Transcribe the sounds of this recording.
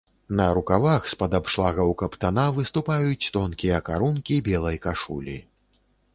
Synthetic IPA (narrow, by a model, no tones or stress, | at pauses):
nɐɾukavaxspɐd̪apʂlˠaɣɐwkɐpt̪anavɨst̪upajut͡sʲt̪ɔnkʲijɐkaɾunkʲibʲɛlˠɐjkaʂṵlʲḭ